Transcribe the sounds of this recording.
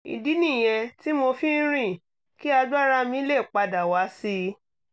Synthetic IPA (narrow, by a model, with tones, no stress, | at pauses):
ḭ˨di˦nĩ˦˨j̃ɛ̃˧ti˦mo˧fi˦ɾ̃ĩ˦˨ | ki˦a˧da˦ɾa˦mĩ˧˦le˦˨k͡pa˧da˨wa˨˦si˧